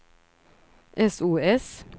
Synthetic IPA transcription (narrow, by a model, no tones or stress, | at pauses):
ʔɛsuːɛs